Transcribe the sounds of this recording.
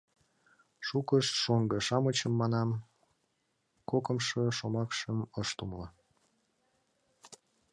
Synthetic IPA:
ʃukəʃʃoŋɡəʃɑmət͡ɕəmːɑnɑm | kokəmʃoʃomɑkʃəməʃt̪umlə

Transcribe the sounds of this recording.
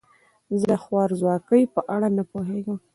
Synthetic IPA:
zəəxwɑɾzwɑkəjpəʔaɽanapoɦeɡəm

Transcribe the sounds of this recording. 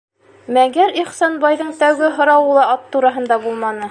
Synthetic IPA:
mæŋɡæɾiχsɑnbɑjðɤɴt̪æwɡɘɦŏɾɑwɤlˠɑɑt̪ːuɾɑɦɤ̆nd̪ɑbulˠmɑnɤ

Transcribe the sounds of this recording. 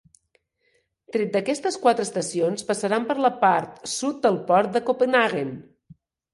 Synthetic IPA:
t̪ɾɛt̪̚d̪əkɛst̪əskwat̪ɾəːst̪əsionspəsəɾampəɾləpaɾt̪sut̪̚d̪əlˠpɔɾt̪̚d̪əkopənaɣen

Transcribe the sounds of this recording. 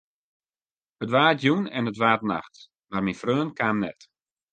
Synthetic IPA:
ətʋaːtjunɛ̰nətʋaːtna̰xt | marminfrøːnkaːmnɛ̰t

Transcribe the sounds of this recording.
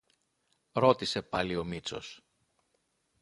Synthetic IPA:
ɾo̞t̪ise̞pɐlio̞mit͡so̞̰s

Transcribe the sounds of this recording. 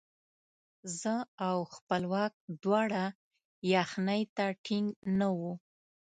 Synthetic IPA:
zəawxpəlwɑk̚d̪wɑɽa | jaxnəjt̪aʈʰɪŋɡnawu

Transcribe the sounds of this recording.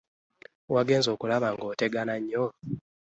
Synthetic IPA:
waɡe̞ːnzo̞ːkulaβaŋɡo̞ːte̞ɡanaɲːo

